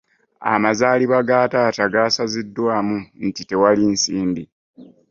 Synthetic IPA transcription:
a̰mazaːliβaɡaːtaːtaɡaːsazidːwaːmun̩tite̞walinsiːmbi

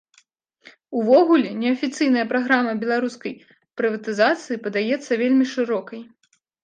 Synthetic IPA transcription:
uvɔɣulʲɛnʲɛɐfʲit̪sɨjnɐjɐpɾaɣɾamɐbʲɛlˠaɾuskɐj | pɾɨvɐt̪ɨzat̪sɨjipɐd̪ajɛt̪sːɐvʲelʲmʲiʂɨɾɔkɐj

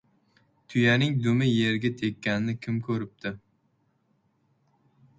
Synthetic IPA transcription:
t̪ʰʊjanɪŋd̪ʊmɪjeɾɡʲat̪ʰekʲʰːanɪnɪkʲʰɪmkʰɵɾɪp̚t̪ʰɪ

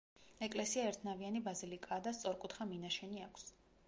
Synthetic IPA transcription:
ɛkʼlɛsiaɛɾt̪ʰnavianibazilikʼaːd̪ast̪sʼɔɾkʼut̪ʰχaminaʃɛniakʰs

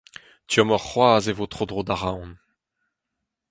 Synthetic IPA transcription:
tyɔmɔʁχwaːzevotχodʁodaʁãwn

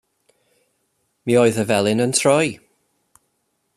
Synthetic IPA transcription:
miːɔɨðəvɛlˠɪnəntʰrɔj

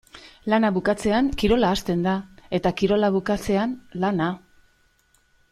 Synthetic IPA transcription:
lanaβukat͡se̞aŋkiɾo̞laːst̪e̞nd̪ae̞t̪akiɾo̞laβukat͡se̞anlana

